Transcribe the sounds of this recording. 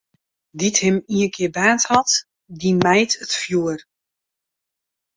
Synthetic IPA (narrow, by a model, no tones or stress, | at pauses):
dithɪmiənkʰɪəbaːntrɔt | dimɛjtʰətfjuər